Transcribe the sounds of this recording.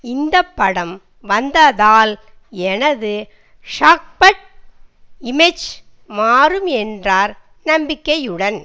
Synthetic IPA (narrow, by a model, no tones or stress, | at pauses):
ɪnd̪ɐpːɐɽɐm | ʋɐnd̪ɐðaːl | ɛnɐðɯ | ʂaːk̚pɐʈ̚ | ɪmɛt͡ʃ | maːrɯmɛndraːɾ | nɐmbɪkːɐjɯɽɐn